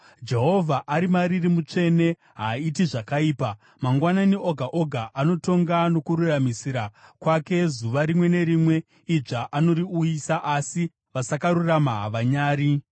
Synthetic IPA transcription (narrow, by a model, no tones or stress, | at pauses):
d͡ʒe̞ɦo̞vʱaʔaɾimaɾirimut͡ʂe̞ne̞ | ɦaitiʐakaiːpa | maŋɡwananio̞ɡʱaʔoɡʱaʔano̞to̞ŋɡano̞kuɾuramisiɾakwake̞zuʋaɾimwe̞ne̞ɾimwe̞ | iʐaʔano̞ɾiujisaʔasi | ʋasakaɾuramaʋaɲaːɾi